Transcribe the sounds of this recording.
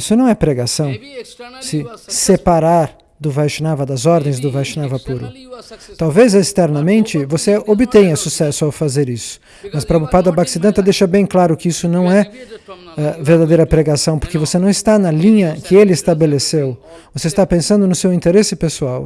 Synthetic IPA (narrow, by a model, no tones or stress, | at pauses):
isʊnɐ̃w̃ɛpɾeɡasɐ̃w̃sɪsepaɾaɾ | d̪ʊvajʃinavɐd̪ɐzɔɾd̪ẽj̃zd̪ʊvajʃinavɐpuɾʊ̰t̪awvezest̪ɛɾnɐmẽnt͡ʃɪvoseobɪt̪ẽj̃ɐsusɛsʊawfazeɾisʊ̥ | mɐspɾɐbupad̪ɐbaksid̪ɐ̃nt̪ɐd̪ejʃɐbẽj̃klaɾʊkɪisʊnɐ̃w̃ɛ | ɛveɾd̪ad̪ejɾɐpɾeɡasɐ̃w̃poɾkɪvosenɐ̃w̃ɪst̪anɐlĩɲɐkʰɪelɪest̪abelesew | voseɪst̪apẽsɐ̃nd̪ʊnʊsewĩnt̪eɾesɪpesuaw